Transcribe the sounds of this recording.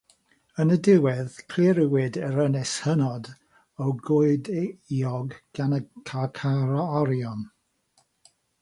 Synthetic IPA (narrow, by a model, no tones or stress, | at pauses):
ənədɪwɛðkʰlɪɾɪwɪdɛɾənɛshənɔd | ɔwɡʊɨdiɔɡɡ̥anəkʰakʰaɾɔɔɾjɔn